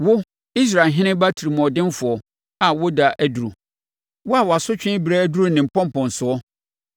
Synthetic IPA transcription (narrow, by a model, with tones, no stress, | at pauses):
wʊ˦ | i˦s̬ɾaː˨ɦɪ̃˦nɪ̃˦ba˦tʰi˨ɾi˨mɔ̃˨dɪ̃˦n˦fʊ˨ɔ˨ | a˨wɔ˦da˨ʔæ˦du˨ɾu˨ | wʊ˦a˨wɔ˨a˨sʊ˦t͡ɕᶣɪ̃˦bi˨ɾa˦du˦ɾʊ˦nɪ̃˨m̩˨pʰɔ̃˦m̩˦pɔ̃˨n̩˨sʊ˨ɔ˦